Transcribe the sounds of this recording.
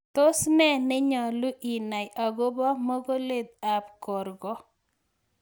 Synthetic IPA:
t̪o˦snɛ˦nɪ˦ɲɔ˨lʊ˦ʔi˨na˨jʔa˨ɡo˦bɔ˦mɔ˦ɡo˦le˦d̪̚a˨pkɔ˨ɾɡɔ˦

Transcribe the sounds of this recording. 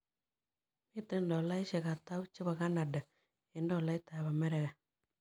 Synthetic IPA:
mɪ˦te˦ndɔ˨la˦i˦ʃe˨ɣa˨ta˦u˦t͡ʃɪ˦βa˨ɣa˦na˨da˨ | e˨ndɔ˦˨la˦i˦ta˨βa˨mɛ˦ɾɛ˨ɣɛ˨

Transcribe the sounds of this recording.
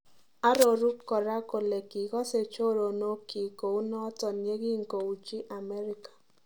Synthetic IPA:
a˦ɾo˨ɾu˦kːɔ˨ɾa˦ko˨le˨ki˨ɣɔ˦se˨t͡ʃo˦ɾo˨no˦ki˨ko˨u˦nɔ˦tɔ˨nje˦ɣi˦ŋ̩˨ko˨u˨t͡ʃi˦ʔa˨mɛ˦ɾɪ˦kḁ˨

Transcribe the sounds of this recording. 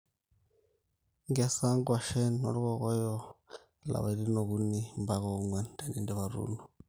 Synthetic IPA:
ŋɡɛ˦sa˦ŋɡwa˨ʃɛ˦nɔ̰˨ɾɣɔ˦ɣɔ˦jɔ˦ | la̰˨βa˨ɾi˦nɔ˨ɣu˦ni˦mba˦ɣɔ˦ŋwa˦nda˨ni˦ndɛ˦βa˨ɾṵː˦nu˨

